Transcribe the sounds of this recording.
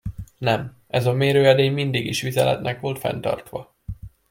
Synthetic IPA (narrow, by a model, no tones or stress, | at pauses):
nɛm | ɛzɒmeːɾøːɛd̪eːɲmind̪iɡiʃʋizɛlɛ̰t̪nʔɛkʋo̞lt̪fɛ̰n̪t̪ɒ̰rt̪ʋɒ